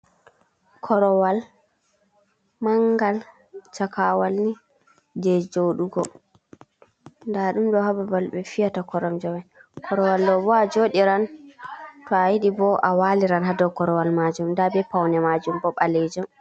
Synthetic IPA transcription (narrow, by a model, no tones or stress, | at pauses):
kʰɔɾɔwal | maŋɡal | t͡ʃakawalni | dɛd͡ʒoɗuɡɔ | ndaɗumɗɔhababalɓɛfijatakɔɾɔmd͡ʒɔwakʰɔɾɔwalɗɔbɔad͡ʒoɗiɾan | tɔajiɗibɔʔawaliɾanɦadɔwkɔɾɔwalmad͡ʒumndabɛpawnɛmad͡ʒumbɔɓalɛd͡ʒɔm